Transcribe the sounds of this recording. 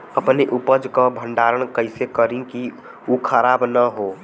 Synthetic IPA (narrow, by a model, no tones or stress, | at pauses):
əpneʔupəd͡ʒkəbʱəɳɖaːɾəɳ̃kəɪsekəɾĩki | ukʰəɾaːbnəɦo